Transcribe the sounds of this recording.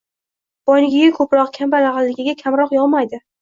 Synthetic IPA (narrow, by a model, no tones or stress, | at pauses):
b̥ɒjnɪɡʲɪɡʲakʰɵpɾɒqkʲʰambalaʁalːɪɡʲɪɡʲakʲʰamɾɒqjɒlˠmajd̪ɪ